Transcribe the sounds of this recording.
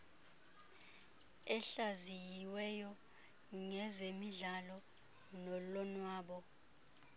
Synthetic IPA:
ɛɬazijiwɛjɔ | ŋɛzemiɮalɔ | nɔlɔnwaːɓɔ

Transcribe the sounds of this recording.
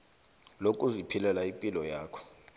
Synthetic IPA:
lokʼuzipʰilɛlaimpʼilɔjaːkʰɔ̥

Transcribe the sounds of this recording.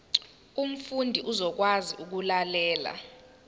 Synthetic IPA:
um̩fundʱiʔuzɔk̬waziʔuk̬ulalɛːla̰

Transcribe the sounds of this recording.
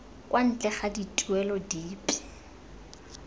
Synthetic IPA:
kʼwʔan̩t͡ɬʼɛχaditʼuɛlɔdiːpʼi̥

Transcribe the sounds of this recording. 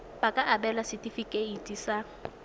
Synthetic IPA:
pakʼaʔabɛlasɪtʼifikʼeitʼisa

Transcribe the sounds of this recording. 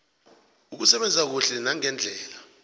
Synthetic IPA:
uk̬usɛɓɛnd͡zʱak̬uɬɛnaŋɛnd͡ɮʱɛːla

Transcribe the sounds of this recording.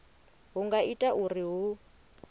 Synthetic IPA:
ɦuŋɡaʔitʼaʔuriɦʊ

